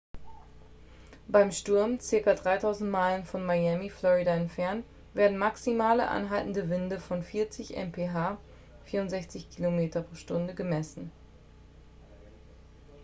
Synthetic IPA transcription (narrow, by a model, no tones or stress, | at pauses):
b̥aɪmʃtʊɐmt͡sɪɐkɐdʁaɪtʰaʊzn̩tmaɪlənfɔnmajɛmiflɔʁidaɛntfɛɐnt | v̥eːɐdn̩maksimaːlə̰ʔa̰nɦaltn̩dəvɪndəfɔnfɪːɐt͡sɪçʔɛ̰mpʰeːɦaː | fiːɐʊntz̥ɛçt͡sɪçkʰilomeːtɐpʁ̥oːʃtʊndəɡəmɛsn̩